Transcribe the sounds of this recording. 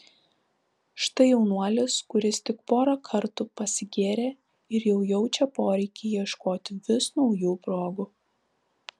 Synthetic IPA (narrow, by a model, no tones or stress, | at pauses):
ʃt̪ɐɪjɛʊnuɔlʲɪskʊɾʲɪst̪ʲɪkpoːɾɐkʰɐɾt̪upɐsʲɪɡʲeːɾʲeː | ɪɾjɛʊjɛʊt͡ʃʲɛpoːɾʲɛɪkʲɪjiɛʃkoːt̪ʲɪʋʲɪsnɒʊjuːpɾoːɡʊ